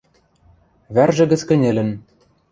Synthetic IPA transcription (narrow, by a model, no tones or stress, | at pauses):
βærʒɘ̆ɡɘ̆t͡skɘ̆nʲĕlʲɘ̆n